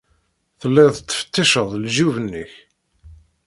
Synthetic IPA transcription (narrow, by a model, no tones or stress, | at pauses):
θəlːæðət͡sːə̥fə̥t̪ːiʃəðˤlʒuvənːəç